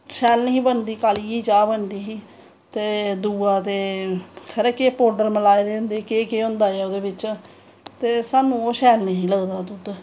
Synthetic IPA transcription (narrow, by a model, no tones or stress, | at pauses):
ʃɛːlnĩːbənd̪iːkaːliːiːt͡ʃaːbənd̪iːɦiː | t̪eːd̪uːaːt̪eːkʰəɾɛːkepoːɖəɾməlaːed̪eːɦʊ̃nd̪eːkeːkeːɦõːnd̪aːɛːoːd̪eːbɪt͡ʃ | t̪eːsaːnũːoːʃɛːlnɦĩːləɡd̪aːt̪ʊt̪